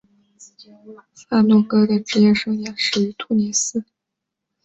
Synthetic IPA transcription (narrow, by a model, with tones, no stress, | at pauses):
fa˥˩nɔ˥˩kɤ˥d̪ə˨ʈ͡ʂɻ̩˧˥jɛ˥˧˩ʂɤ˥˩ŋja˨˧˩nʂɻ̩˥˩y˧˥t̪ʰu˥˩ni˧˥sɹ̩˥